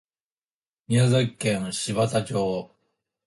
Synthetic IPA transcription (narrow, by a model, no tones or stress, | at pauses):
mʲiazekːẽɰ̃ɕiβat̪at͡ɕoː